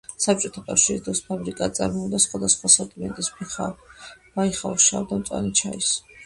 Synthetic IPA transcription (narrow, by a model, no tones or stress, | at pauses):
sap̚t͡ʃʼɔt̪ʰakʼafʃiɾisd̪ɾɔspʰabɾikʼaːt̪sʼa̰ɾmɔd̪asχwad̪asχwasat̪ʼimɛ̰nt̪ʼisbabaiχa̰ʃa̰vd̪amt̪sʼwa̰nit͡ʃʰa̰is